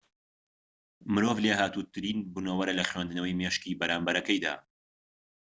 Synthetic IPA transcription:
mɨɾoːvleɦaːt̪uːt̪ʰɨɾiːnbunowɐɾɐlɐxwend̪ɨnɐwɐjmeʃkiːbɐɾaːmbɐɾɐkɐjd̪a̰ː

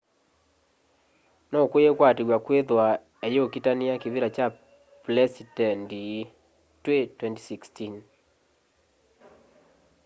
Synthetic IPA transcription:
nɔkwejekwateɣwakweðwa | ejokitaniakeβiɾat͡ʃa | plɛsitɛndi | twetwɛnti̥sikstin

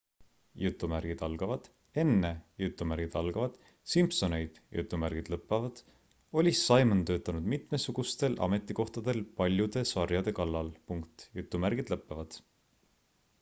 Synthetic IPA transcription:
jut̪ːˑumærɡ̥id̪̥ɑlɡ̥ɑvɑd̪̥ | e̞nːe̞jut̪ːˑumæɾɡ̥id̪̥ɑlɡ̥ɑvɑd̪̥ | simpso̞ne̞jd̪̥jṵt̪ːˑumærɡ̥id̪̥lɤpːˑɑvɑd̪̥ | o̞lʲisːɑjmənt̪ø̞ːt̪ːˑɑnud̪̥mit̪ˑme̞suɡ̥ust̪e̞lʔɑ̰me̞t̪ːˑiko̞ht̪ɑd̪̥e̞lpɑlʲjud̪̥e̞sɑrjɑd̪̥e̞kɑlːɑlpuŋkt̪jut̪ˑːumærɡ̥id̪̥lɤpːˑɑvɑd̪̥

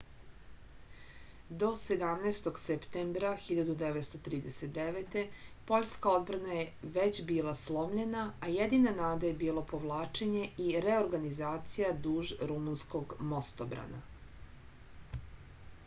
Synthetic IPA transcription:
d̪o̞se̞d̪amnejst̪o̞ɡsept̪embɾaxiʎad̪ud̪eʋet̪st̪ot̪ɾiːd̪eset̪̚d̪eʋet̪e̞po̞ʎʲskao̞d̪bɾanaje̞ʋet͡ɕbiːlˠaslˠo̞mʎe̞naːjed̪inanaːd̪aje̞biːlˠopo̞ʋlˠaːt͡ʃe̞ɲe̞ʔiɾe̞oɾɡanizaːt̪sijad̪uːʒɾumunsko̞ɡmo̞st̪obɾa̰na̰

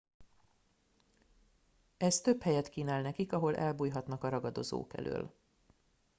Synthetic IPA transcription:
ɛst̪ø̞phɛjɛt̪kiːnaːlnɛkikɒɦo̞lʔɛ̰lbuːjɦɒt̪nɒkɒɾɒɡɒd̪o̞zo̰ːkɛ̰lʔø̰ːl

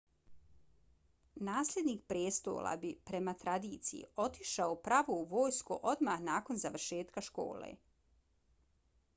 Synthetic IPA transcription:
naːslʲe̞d̪niːkpɾjeːst̪o̞̰ːla̰bipɾe̞mat̪ɾad̪iːt̪sijḭo̞t̪iʃaopɾaʋouʋo̞ːjskuʔo̞d̪mahnaːko̞nzaʋrʃe̞ːt̪kaʃko̞̰ːlḛ

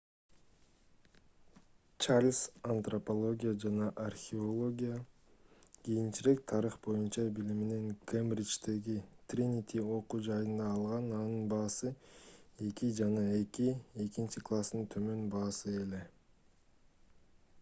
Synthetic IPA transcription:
t͡ʃarlʲsɐnt̪ropo̞lˠo̞ɡʲijad͡ʒɑnɑʔarxʲɪolˠo̞ɡʲija | ɡ̥ʲijint͡ʃiɾe̞k̚t̪ʰɑɾɯχbo̞junt͡ʃɑbilimene̞ŋkʰemrʲit͡ʃt̪e̞ɡit̪rʲinʲit̪ʲio̞quːd͡ʒɑjɯnd̪ɑːlˠʁɑnɑnɯnbɑːsɯ | e̞kid͡ʒɑnɑe̞kie̞kint͡ʃiklˠast̪ɯnt̪ʰø̞mø̞nbɑːsɯe̞le̞

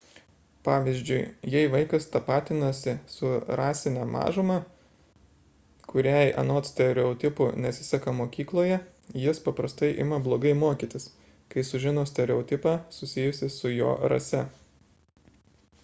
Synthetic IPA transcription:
pɑːʋʲizʲd͡ʒʲʊɪjɛɪʋɐɪkɐst̪ɐpɑːt̪ʲɪnɐsʲɪsʊɾɑːsʲɪnʲæmɑ̰ːʒʊmɑ | kʊɾʲæjʔɐ̰noːt̪sʲt̪ʲɛɾʲɛɔt̪ʲɪpʊnʲɛt̪sʲɪsʲɐkɐmoːkʲiːklˠoːjɛ | jɪspɐpɾɐst̪ɐɪʔɪ̰mɐblˠoːɡɐɪmoːkʲiːt̪ʲɪs | kɐɪsʊʒʲɪnoːsʲt̪ʲɛɾʲɛɔːt̪ʲɪpɑːsʊsʲɪjʊsʲɪsʊjo̰ːɾɐ̰sʲɛ

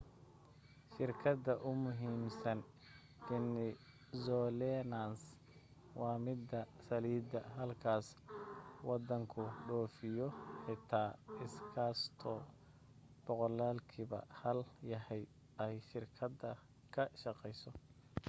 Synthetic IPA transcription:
ʃɪrkʰɐd̪ɐʔʊmʊɦiːmsɐn | ɪnɪ | zɔːlɛnans | wɑːmɪd̪ɐsɐliːd̪ɐɦɐlkʰaːs | wɑd̪ɐŋkʰʊɖɔːfɪjɔħɪt̪ʰaːɪskʰaːst̪ʰɔ | b̥ɔqɔlaːlkʰiβɐ̰hɐljɐɦɛj | ɛjʃɪrkʰɐd̪ɐ | kʰɐʃɑqɛjsɔ

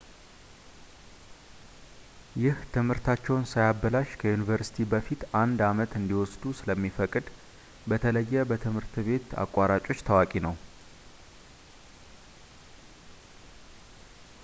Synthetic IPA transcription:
jɪht̪ʰɨmhɨɾt̪ʰat͡ʃːɛwnsajabːəlaʃkʰəjunivəɾsi̥t̪ʰibəfit̪and̪amət̪ɨnd̪iwɔsd̪usɨləmːifəkʼɨd̪ | bət̪ʰələjːɛbət̪ʰɨmhɨɾt̪βe̞t̪a̰kʼːaɾat͡ʃʼo̞t͡ʃːt̪ʰəwakʼinəw

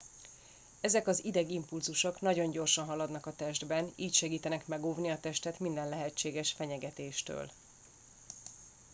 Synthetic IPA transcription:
ɛzɛkɒzid̪ɛɡimpulzuʃo̞knɒɟo̞ɲɟo̞rʃɒnɦɒlɒd̪nɒkɒt̪ɛʒd̪bɛniːcʃɛɡiːt̪ɛnɛkmɛɡoːvniɒt̪ɛʃt̪ɛt̪mind̪ɛnlɛɦɛt͡ʃːeːɡɛʃfɛɲɛɡɛt̪eːʃt̪ø̰ːl

